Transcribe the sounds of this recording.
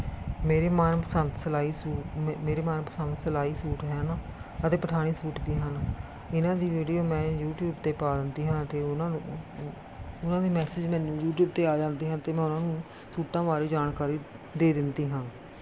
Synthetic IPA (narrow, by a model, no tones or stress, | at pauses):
meːɾeːmaːnpəsənt̪səlaːiːsuːmeːɾeːmaːnpəsənt̪səlaːiːsuːʈɦɛːnːət̪eːpəʈʰaːɽ̃iːsuːʈbiːɦən | ɪnãːd̪iːʋiːɖijoːmɛ̃ːjuːʈjuːbt̪eːpaːd̪ɪnd̪iːɦãːt̪eːnã | ʊnãːd̪iːmɛːsɪd͡ʒmɛ̃ːnũːjuːʈjuːb̚t̪eːaːd͡ʒãːnd̪iːɦãːt̪eːmɛ̃ːʊnãːnũː | suːʈãːʋaːɾiːd͡ʒaːnkaːɾiː | d̪eːd̪ɪnd̪iːɦãː